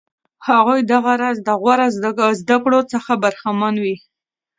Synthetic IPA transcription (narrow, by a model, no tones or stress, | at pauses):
haɣujd̪aɣaɾazd̪əɣwaɾazzd̪akɽot͡səxabaɾxamanwi